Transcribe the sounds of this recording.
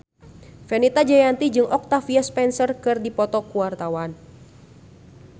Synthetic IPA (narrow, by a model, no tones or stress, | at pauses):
fɛnit̪ad͡ʒajant̪id͡ʒɨŋʔɔk̚t̪afiaspɛnsərkɨrdipɔt̪ɔkuwart̪awan